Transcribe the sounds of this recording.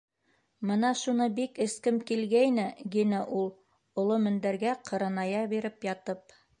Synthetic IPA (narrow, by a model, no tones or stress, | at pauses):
mɤ̆nɑʃunɤbikɘ̆skɘmkilɡæjnɘɡinæʔulˠ | ŏlˠomɵ̆nd̪æɾɡæqʰɤ̆ɾɑnɑjɑbiɾɘpjɑt̪ɤp̚